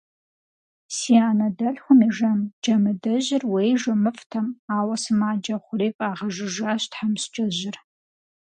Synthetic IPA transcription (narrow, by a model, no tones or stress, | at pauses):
siːaːnɐdɐɬxʷʊmiʒɐmd͡ʒɐmɨdɐʑɪrwejʒɐmɨfʼtʰɐmaːwɐsɨmaːd͡ʒɐχʷʊɾeːkʼaːʁɐʒɨʒaːɕtħamst͡ʃʼɐʑɪr